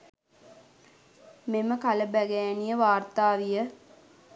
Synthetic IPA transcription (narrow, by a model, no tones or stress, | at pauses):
meməkaləbæɡæjænijəʋaːrt̪aːʋijə